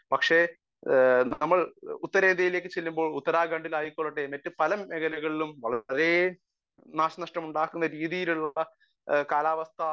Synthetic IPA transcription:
pɐkʂe̞ | nɐmːɐɭut̪ːɐɾeːnd̪ɐjile̞ːkːɨt͡ɕelːumbo̞ːɭut̪ːɐɾaːɡɐɳɖilaːjikoːɭːɐʈːemɐtːɨpɐlɐmeɡɐlɐɣɐɭilumʋɐɭɐɐɾe̞ | naːɕɐnɐʂʈɐmuɳɖaːkːunːɐɾiːðijiluɭːɐ | kaːlaːʋɐst̪ʰɐ

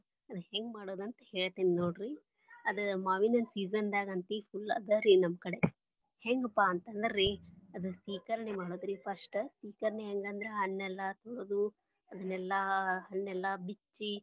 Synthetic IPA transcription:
ɐd̪heŋɡmaːɽoːd̪ɐnt̪ɐheːɭt̪eːninoːɽɾi | ɐd̪ɐmaːʋinɐnsiːzɐnd̪aːɡɐɐnt̪ipʰulːɐ̰d̪ɐɾinɐmːɐkɐɽe | heŋɡɐpːaːɐnt̪ɐnɖɐɾiɐd̪usʋiːkɐɾɐnemaːɽoːd̪ɾipʰɐsʈsiːkɐɾɐneɦeŋɡɐnd̪ɐɾeɦɐɳːɛlːɐt̪oɭoːd̪u | ɐd̪ɐnːɛlːɐɦɐɳːɛlːɐbit͡ʃːi

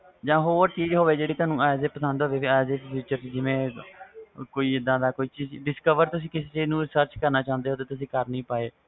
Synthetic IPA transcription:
d͡ʒãːɦoːəɾt͡ʃiːd͡ʒɦoːʋeːd͡ʒeːɽiːt̪ʊaːnũːaːjzeːpəsə̃nd̪ɦoːʋeːpʰiaːzeːppʰjuːt͡ʃəɾid͡ʒɪʋẽː | koːiːɪd̪ãːd̪aːkoːiːt͡ʃiːd͡ʒɖɪskəʋəɾt̪ʊsĩːkɪseːt͡ʃeːd͡ʒnũːɾɪsəɾt͡ʃkəɾnaːt͡ʃãːə̃nd̪eːɦoːt̪eːt̪ʊsĩːkəɾnəĩːpaːeː

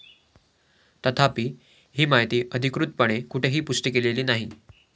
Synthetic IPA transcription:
t̪ət̪ʰapiː | ɦiːmajt̪iːʔəd̪ʱikɾut̪̚pəɽ̃ekuʈʰeɦiːpuʂʈəkeleliːnaɦi

